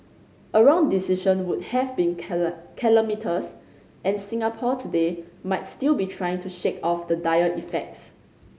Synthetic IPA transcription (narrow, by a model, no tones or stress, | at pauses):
ʔəɹɔ̃ŋdisiʃə̃nwut̚hɛvbĩnkʰilomitʰəs | ʔɛ̃nsĩŋapʰɔtʰudemaɪt̚stilbitʰɹajɪ̃ŋtʰuʃekɔfdədajəʔifɛk̚ts